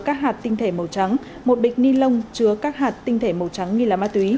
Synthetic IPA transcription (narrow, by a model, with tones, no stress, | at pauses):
kaː˦˥k̚ɦaː˨˩t̚t̪ï˧ŋ̟t̪ʰe˧˩mə˨˩wt͡ɕa˨˦ŋ | mo˨˩t̚ɓi˨˩k̟̚ni˧lə˧wŋ͡mt͡ɕɨ˨˦əkaː˦˥k̚ɦaː˨˩t̚t̪ï˧ŋ̟t̪ʰe˧˩mə˨˩wt͡ɕa˨˦ŋːi˧laː˨˩maː˧˥t̪wi˨˦